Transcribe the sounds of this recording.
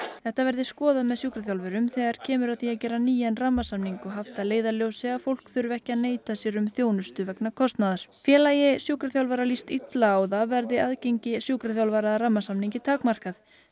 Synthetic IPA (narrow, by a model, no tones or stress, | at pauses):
θɛht̪avɛɾðɪskɔːðamɛðsjuːkɾaθjawlvɛɾʏmθɛɣaɾ̥cʰɛːmʏɾaðθiaðcɛːɾaniːjɛnramːasamniŋkʏɦaft̪aleːjðaljowsɪafowl̥kθʏɾvɛhcɪaðneːjt̪asjɛɾʏmθjoːwnʏst̪ʏvɛknakʰɔst̪naðaɾ̥fjɛːlaːjɪsjuːkɾaθjawlvaːɾalist̪it̪laːwðavɛɾðɪaðcejɲcɪsjuːkɾaθjawlvaːɾaðɾramːasamniɲcɪt̪ʰaːkmar̥kaθ